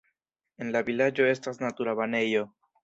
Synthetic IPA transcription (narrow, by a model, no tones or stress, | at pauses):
e̞nlaβilad͡ʒo̞e̞stasnat̪uɾaβane̞jo̞